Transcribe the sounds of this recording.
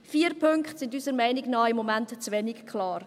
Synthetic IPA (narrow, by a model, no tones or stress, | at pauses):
fiːəɾpʰʏŋkχtsɪndysəɾmɛɪnɪɡnɑːɪmːomæntt͡sʋɛnɪkkʰlɑːr